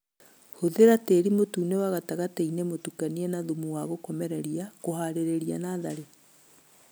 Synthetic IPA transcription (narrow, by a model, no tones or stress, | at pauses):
hoðeɾateːɾimotuːnewaɣataɣateinemotukaniɛnaðumuwaɣokɔmɛɾɛɾiakoɦaɾeɾeɾia̰naːðaɾe